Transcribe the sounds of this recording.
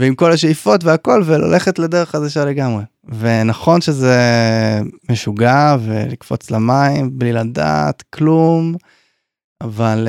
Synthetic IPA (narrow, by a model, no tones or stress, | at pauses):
veimko̞laʃ̬eifo̞t̪veako̞lvela̰lʔe̞χet̪led̪e̞ʁeχadaʃale̞ɡamʁe̞ | ve̞naχo̞nʃeze | meʃuɡavelikfo̞̰t͡slamaimblilad̪a̰t̪klum | aval